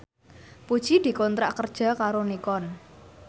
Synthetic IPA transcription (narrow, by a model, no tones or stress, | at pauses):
pud̥ʒ̥id̪̥i̤kɔnt̪ɾaʔkərd̥ʒ̥a̤kaɾonikɔn